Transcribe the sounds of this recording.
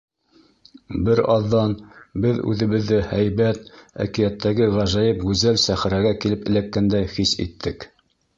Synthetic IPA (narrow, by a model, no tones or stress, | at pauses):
bɘɾɑðːɑnbɘðʉ̰ðɘ̆βɘ̆ðːɘhæjβæt̪æ̰kĭjæt̪ʰːæɡɘʁæʒæjɤpɡʉzælsæχɘɾæɡækilɘpɘ̆lækːænd̪æjχisḭt̪ʰːɘk